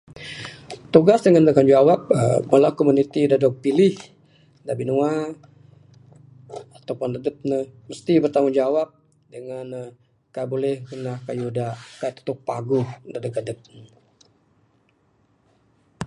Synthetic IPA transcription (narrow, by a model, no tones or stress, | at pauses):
t̪uɡasdəŋandəkand͡ʒawap̚əbəlakomunit̪idadɔk̚pilɪh | dabinua | at̪awpʊndadət̪̚nəməst̪ibərt̪amund͡ʒawap̚ | dəŋan | kabolɛhɡənahkajudaʔkat̪ːu̥t̪ʊk̚paɡʊhdadəɡadət̪̚nə